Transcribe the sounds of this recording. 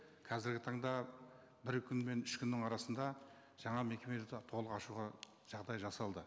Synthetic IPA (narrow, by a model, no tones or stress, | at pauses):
kʰɑzɪɾɡʲɪt̪ʰɑɴd̪ɑ | bɪɾkʲʰʏnme̞nʏʃkʲʰʏnːɪŋɑɾɑsənd̪ɑ | ʒ̥ɑɴɑme̞kʲe̞med̪t̪ʰo̞lˠəqɑʃuʁɑ | ʒ̥ɑʁd̪ɑjʒɑsɑlˠd̪ə